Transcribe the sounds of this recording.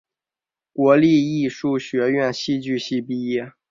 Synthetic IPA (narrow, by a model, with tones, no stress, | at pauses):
kwɔ˧˥li˥˧i˥˧ʂu˥˩ɕɥɛ˧˥ɥɛ˥˧nɕi˥˧t͡ɕy˥˧ɕi˥˧pi˥˧jɛ˥˩